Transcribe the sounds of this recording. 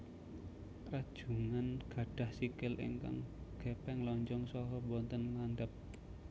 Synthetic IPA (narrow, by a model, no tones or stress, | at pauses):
pɾad̥ʒ̥ṳŋanɡ̥ä̤ɖ̥a̤hsikɪlʔḭŋka̰ŋɡ̥ɛpɛŋlɔɲd͡ʒɔŋsɔɦɔbɔnt̪ənŋanɖ̪əp̚